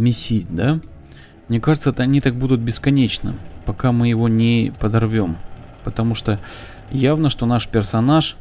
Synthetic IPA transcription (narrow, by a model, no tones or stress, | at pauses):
mʲɪsʲit̚ʲd̪a | mnʲe̞kaʐɨt̪sət̪əɐnʲit̪ak̚bud̪ʊt̪̚bʲɪskɐnʲet͡ɕnɨ̰pɐkamɨjɪvo̞nʲɪpəd̪ɐrvʲo̞m | pət̪ɐmuʂt̪o | javnəʂt̪o̞naʂpʲɪrsɐnaʂ